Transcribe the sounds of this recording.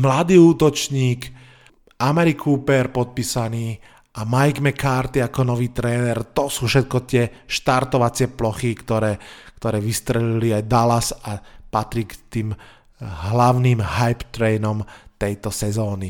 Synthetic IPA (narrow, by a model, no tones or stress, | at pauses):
mlad̪iːuːt̪ɔt͡ʃɲiːk | ʔamɛɾikʰuːpɛɾpɔt̪̚piːsaniː | ʔamajɡmɛkʰaːɾt̪iakɔnɔʋiːt̪ɾɛːnɛɾt̪ɔsuːfʃɛt̪̚kɔt̪ɪɛʃt̪aɾt̪ɔʋat͡sɪɛplɔxikt̪ɔɾɛːkt̪ɔɾɛːʋist̪ɾɛliliajd̪alasapat̪ɾikt̪iːm | ɦlaʊniːmɦajpt̪ɾɛːnɔmt̪ɛjt̪ɔsɛzɔːni